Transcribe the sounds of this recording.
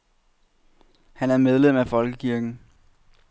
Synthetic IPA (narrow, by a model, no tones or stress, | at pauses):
hænæɐmeð̞ˠlem̰æfɒ̽lɡ̥əkʰiɐɡ̥n̩